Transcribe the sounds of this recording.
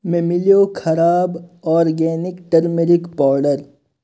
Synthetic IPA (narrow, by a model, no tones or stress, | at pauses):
mẽːmɪljokʰɐɾaːbɔːɾɡɛːnɪkʈɐɾmeɾɪkpɔːɾɖəɾ